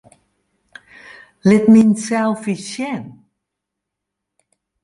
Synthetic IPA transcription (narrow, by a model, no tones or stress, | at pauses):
lɪtminsɛlˠfisjɛn